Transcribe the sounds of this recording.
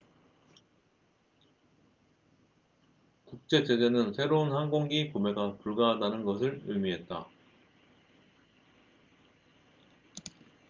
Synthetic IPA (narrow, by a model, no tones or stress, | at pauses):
kuk̚t͡ɕ͈e̞d͡ʑe̞d͡ʑe̞nɯnsʰe̞ɾounhanɡoŋɡikome̞ɡapuɭɡaɦadanɯnɡʌsʰɯɭɯmiɦe̞t̚t͈a̰